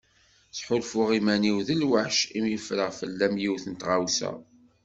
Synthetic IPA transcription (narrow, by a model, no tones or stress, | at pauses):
sħʊlfʊʁimæniwðəlwaħʃimjəfɾəʁfəlːæmjiwθənt̪ʁawsæ̰